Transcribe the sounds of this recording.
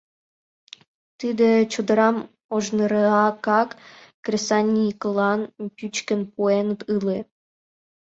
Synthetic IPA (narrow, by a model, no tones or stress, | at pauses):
t̪id̪ĕt͡ɕud̪ə̆ɾɑm | oʒnəɾɤɑkɑkː | rʲesɑnʲiklˠɑnpʲyt͡ɕkə̆npuenət̪ɨle